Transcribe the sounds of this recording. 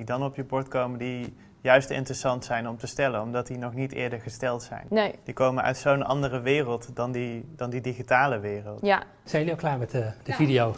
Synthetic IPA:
idɑnɔpjəbɔɹtkowməndi | jœɥstɪ̰ntrəsɑntsɛjnɔmtəstɛlənɔmdɑtdinɔχnitɪ̰ːɹdəɹχəstɛlˠtsɛ̰jnd̥ikowmənœ̰ɥtsownʔɑ̰ndərəʋɪːrəlˠtdɑndid̥ɑndidiχitaːləʋɪːrəlˠta | sɛjəliɔklaːɹmɛtd̥əvidijow

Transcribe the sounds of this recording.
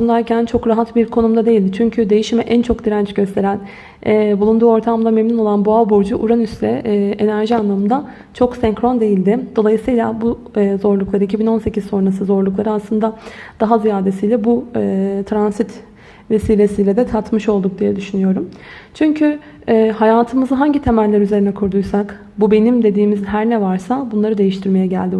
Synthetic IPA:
und̪aɾcʰænt͡ʃʰo̞kɾaɦat̪biɾkʰo̞numd̪ad̪e̞jilʲd̪ɪt͡ʃʰyɲcʰyd̪e̞jiʃimɛʔænt͡ʃʰo̞kd̪iɾænt͡ʃɟø̞st̪ʰe̞ɾæn | ɛbulˠund̪uːo̞ɾt̪ʰamlˠame̞mnino̞lˠanbualˠboɾd͡ʒuʔuɾanysɾɛːʔenæɾʒianlˠamɯnd̪a | t͡ʃʰo̞ksɛŋkɾond̪e̞jilʲd̪ɪd̪o̞lˠajɯsɯjlˠabu | zo̞ɾlˠuklˠaɾɯicʰibino̞nse̞cʰissːo̞nɾasɯzo̞ɾlˠuklˠaɾɯaslˠɯnd̪ad̪̥aɦazijaːd̪e̞sijlʲɛbut̪ʰɾansit̪ | ve̞siːlʲe̞sijlʲɛd̪ɛt̪ʰat̪mɯʃo̞lˠd̪uk̚d̪ijɛd̪yʃynyjo̞ɾumt͡ʃʰyɲcʰy | ɛːhajaːt̪ʰɯmɯzɯɦaɲɟit̪ʰe̞mælʲlʲæɾyze̞ɾinɛkʰuɾd̪ujsak | bube̞nimd̪e̞d̪iːmizɦæɾnɛvaɾsabunlˠaɾɯd̪e̞jiʃt̪ʰiɾmejɛɟæ̰lʲd̪i

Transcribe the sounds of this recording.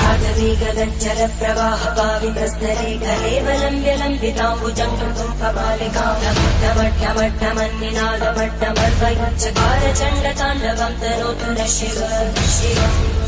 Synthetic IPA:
aːd̪ʱɐʋiːɡɐd̪ɐɲt͡ʃɐɾɐpɾɐʋaːɦɐbaːʋit̪ɐst̪ɐɾeːkɐleːʋɐlɐmʋjɐlɐmbit̪ãːbud͡ʒɐŋɡɐk̪umkɐpaːlekaːnɐmɐʈːɐmɐɖːɐmɐɖːɐmɐnːinaːd̪ɐmɐɖːɐmɐɾbɐjut͡ʃɐkaːɾɐt͡ʃɐɳɖɐt̪aːnːɐɡɐmt̪ɐnoːt̪unɐʃiʋɐɐʃiɐ

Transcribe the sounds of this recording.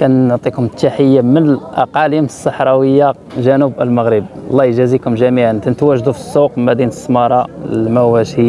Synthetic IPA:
kænːʊʕt̪ˤikʊmt̪ːaħəjːamənəlʔɑ̰qɑliməsˤːɑħɾˤɑwəjːa | ʒənubəlməɣɾəb̚ɑ̰lˤːɑjʒæzikʊmʒæmiʕant̪ænət̪wæʒd̪ufi̥sˤːuqmæd̪inəsˤːmɑɾˤɑlmæwæʃi

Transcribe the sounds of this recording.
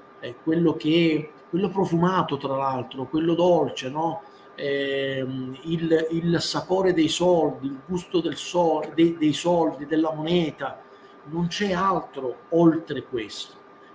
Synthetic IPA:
ɛkwelːok̟eɛkwelːopɾofumaːt̪ot̪ɾalalt̪ɾokwelːod̪olt͡ʃenɔ | ɛ | ililsapoːɾed̪ejsɔld̪iːlɡust̪od̪elsɔd̪ed̪ejsɔld̪id̪elːamonɛːt̪a | nont͡ʃɛalt̪ɾoolt̪ɾekwest̪o̥

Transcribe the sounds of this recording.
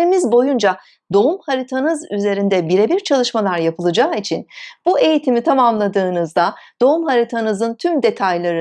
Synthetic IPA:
ɾimizbo̞jund͡ʒa | d̪o̞umhaɾit̪ʰanɯzyze̞ɾind̪ɛbiɾebiɾt͡ʃʰalˠɯʃmalˠaɾjapʰɯlˠɯd͡ʒaːit͡ʃʰinb̥ue̞jit̪ʰimit̪ʰamamlˠad̪ɯːnɯzd̪ad̪̥o̞umhaɾit̪ʰanɯzɯnt̪ʰymd̪e̞t̪ʰajlˠaɾɯ

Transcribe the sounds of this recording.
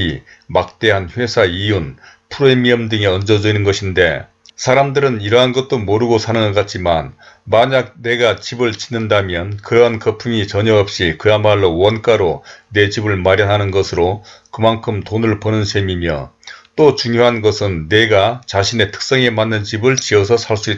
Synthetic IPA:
i | mak̚t͈e̞ɦanɸwe̞sʰaijun | pʰuɾoemiʌmdɯŋeʌnd͡ʑʌd͡ʑʌinɯnɡʌɕʰinde̞̰ | sʰaɾamdɯɾɯniɾʌɦanɡʌt̚t͈omoɾɯɡosʰanɯŋak͈at̚t͡ɕ͈iman | maɲak̚ne̞ɡat͡ɕibɯɭt͡ɕi̥nːɯndamjʌnkɯɾʌɦankʌpʰuŋit͡ɕʌɲʌʌp̚ɕ͈ikɯamaɭːowʌnk͈aɾone̞d͡ʑibɯɭmaɾjʌnɦanɯnɡʌsʰɯɾokɯmaŋkʰɯmtonɯɭpʌnɯnsʰe̞mimjʌ̰t͈ot͡ɕuŋjoɦanɡʌsʰɯnːe̞ɡat͡ɕaɕʰine̞tʰɯ̥k̚s͈ʌŋe̞manːɯnt͡ɕibɯɭt͡ɕiʌs̬ʰʌsʰaɭs͈uit

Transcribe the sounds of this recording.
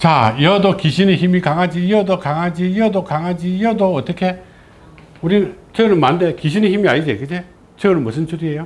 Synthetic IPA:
t͡ɕajʌdokiɕʰineçimikaŋad͡ʑijʌdokaŋad͡ʑijʌdokaŋɦad͡ʑijʌdoʌt͈ʌkʰe̞ | uɾint͡ɕʰeɡɯɾɯnmannde̞kiɕ̬ʰinɯçimiaɲid͡ʑekɯsʰe | t͡ɕʰeɯɾɯnmʌs̬ʰɯnt͡ɕʰuɾiejo

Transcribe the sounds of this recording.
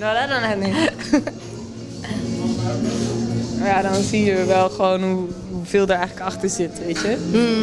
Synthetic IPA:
nodadɔnɛni | ojadɔnsiəɹʋɛlˠχəʋownɦu | ɦuvɪːlˠdəɹɛjχləkɑχtəɹzɪtʋejtjə

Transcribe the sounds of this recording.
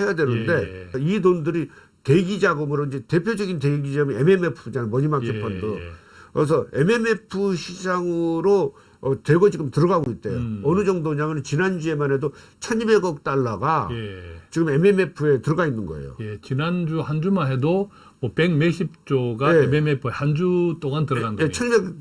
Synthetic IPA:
he̞jadwe̞nɯnde̞idondɯɾi | te̞ɡid͡ʑaɡɯmɯɾoind͡ʑe̞te̞pʰjod͡ʑʌɡinteɡid͡ʑaɡɯmieme̞me̞pʰɯd͡ʑanɯmʌɲimaksʰepʰʌndo | kes̬ʰʌe̞me̞me̞pʰɯɕʰid͡ʑaŋɯɾo | twe̞ɡod͡ʑiɡɯmtɯɾʌɡaɡoit̚t͈ejoʌnɯd͡ʑʌŋdomɲamjʌnɯnt͡ɕinand͡ʑue̞mane̞dot͡ɕʰʌɲibe̞ɡʌk̚t͈aɭːaɡajet͡ɕiɡɯme̞meme̞pʰue̞tɯɾʌɡainːɯnɡʌḛjo̰jet͡ɕinand͡ʑuhand͡ʑumanɦe̞do | mʌpe̞ɡmeɕʰip̚t͡ɕ͈oɡaeememepʰɯehand͡ʑut͈oŋantɯɾʌɡandet͡ɕʰʌɲibeɡ

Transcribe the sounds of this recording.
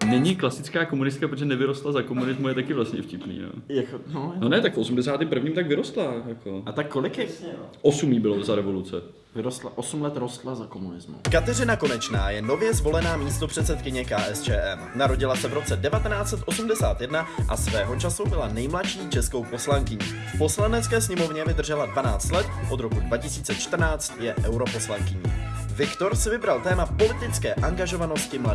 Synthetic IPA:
nɛɲɪklasɪt͡skaːkomunɪs̬t̪kapɾot̪oʒɛnɛvɪɾost̪lazako̞munɪzmuajɛt̪akɪvlast̪ɲɛ̰fcɪpnḭːno̰ːjaknononɛt̪akfosumdɛsaːt̪iːmpr̩vɲiːmt̪aɡvɪɾost̪lajakʰo̞ʔat̪akːolɪkjaʔosumiːbɪlozaɾɛvo̞lut͡sɛ | vɪɾost̪laʔosumlɛt̪ɾost̪lazakomunɪzmṵkat̪ɛrɪnako̞nɛt͡ʃna̰ːjɛnovjɛzvo̞lɛnaːmiːst̪opr̥ɛt̪sɛt̪kɪɲɛkaːʔɛst͡ʃɛːʔɛmnaɾo̞ɟɪlasɛvɾo̞t͡sɛdɛvat̪ɛnaːt͡sɛt̪ʔo̞sumdɛsaːt̪jɛdnaʔa̰svɛːɦo̞t͡ʃasubɪlanɛjmlaʃiːt͡ʃɛsko̞wpo̞slaŋkɪɲiː | fpo̞slanɛt͡skɛːsɲɛmo̞vɲɛvɪd̪r̩ʒɛladvanaːt͡st̪lɛt̪̚ʔo̞d̪ɾo̞kudvacɪsiːt͡sɛt͡ʃt̪r̩naːt͡st̪jɛʔɛwɾo̞po̞slaŋkɪɲḭːvɪkt̪o̞ɾsɪvɪbɾalt̪ɛːmapo̞lɪt̪ɪt͡skɛːʔaŋɡaʒo̞vano̞scɪmla

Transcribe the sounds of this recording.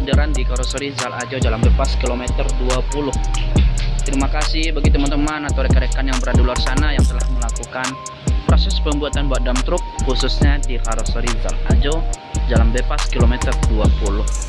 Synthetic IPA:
daɾandikaɾosoɾizalad͡ʒod͡ʒalambepaskilomɛt̪ərduapulʊh | t̪ɾimakasɪhbaɡit̪əmant̪əmanat̪oɾekəɾekanjaŋbəɾadularsanajaŋt̪əlahməlakukan | pɾosɛspəmbuat̪anbuaʔ̪̚damt̪ɾʊk̚husʊsɲadikaɾosoɾiza̰lad͡ʒod͡ʒalambepaskilomɛt̪ərduapulʊh

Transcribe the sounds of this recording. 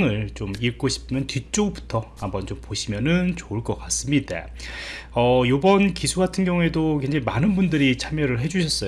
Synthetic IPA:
ŋɯɭt͡ɕomiɭk͈oɕʰi̥pʰɯmjʌntit͡ɕ͈oɡpu̥tʰʌhambʌnt͡ɕompoɕʰimjʌnɯnt͡ɕouɭk͈ʌk͈as͈ɯmɲida̰ | ʌjobʌnkisʰuɡatʰɯnɡjʌŋue̞dokwend͡ʑaimanɯnbundɯɾit͡ɕʰamjʌɾɯɭɦe̞d͡ʑuɕʰʌs͈ʌ

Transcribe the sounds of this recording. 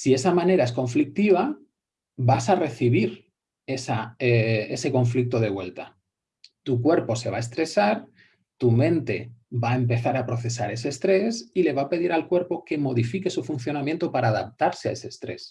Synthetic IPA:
sie̞samãne̞ɾae̞skõ̞ɱflik̚t̪iβ̞a | basare̞θiβ̞iɾ | e̞saee̞se̞ko̞ɱflik̚t̪o̞ð̞e̞βwe̞lt̪a | t̪ukwe̞ɾpo̞se̞β̞ae̞st̪ɾe̞saɾ | t̪umẽ̞nt̪e̞bae̞mpe̞θaɾapɾo̞θe̞saɾe̞se̞ːst̪ɾe̞sile̞β̞ape̞ðiɾalkwe̞ɾpo̞ke̞mo̞ð̞ifike̞sufunθjo̞namjent̪opaɾaːðap̚t̪aɾsea̰e̞se̞st̪ɾe̞̰s

